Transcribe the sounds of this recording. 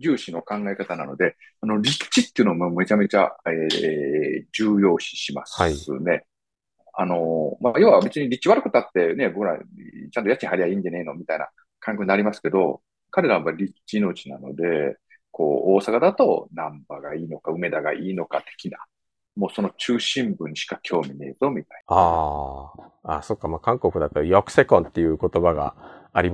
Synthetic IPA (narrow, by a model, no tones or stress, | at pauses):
d͡ʑɨːɕino̞kãŋɡaekat̪anano̞d̪e̞ | ano̞ɾʲi̥t͡ɕit̪ːeiɯ̟noomame̞t͡ɕame̞t͡ɕa̰e | d͡ʑɨːjo̞ːɕi̥ɕima̰sɨ̰ne̞ | ano̞majoːβabe̞t͡sɨɲ̟iɾʲit͡ɕːiβaɾɯ̟kɯ̟t̪at̪ːe̞ne̞bo̞kɯɾa̰t͡ɕãnt̪o̞jat͡ɕːiɲihɦaɾʲiaĩːɲd͡ʑane̞ino̞mʲit̪aina̰ | kãŋkeoɯinaɾʲimasɨ̥ke̞d̪o̞̰ | kaɾe̞ɾaβmaɾʲiiino̞t͡ɕinano̞̰d̪e̞ | ko̞̰ːoːsakad̪at̪o̞nãmbaɡaiːno̞kaɯ̟me̞d̪aɡa̰ʔiːno̞kat̪e̥kʲina̰ | mo̞ːso̞no̞t͡ɕɨːɕĩmbɯ̟̃ɰ̃ɕi̥kakʲʰo̞ːmʲinḛzo̞mʲit̪ai̥na | aːso̞kːamaːkãŋko̞kɯ̟d̪at̪ːajokɯ̟̥se̞kõ̞nt̪ːe̞jɯ̟ko̞t̪o̞baɡa̰ːɾʲim